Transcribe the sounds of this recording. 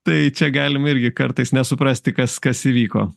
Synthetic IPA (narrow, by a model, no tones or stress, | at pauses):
t̪ɐɪt͡ʃʲɛɡɑːlʲɪmɪɾʲɡʲɪkɐɾt̪ɐɪsnʲɛsʊpɾɑsʲt̪ʲɪkɐskɐsiːʋʲiːko̰ː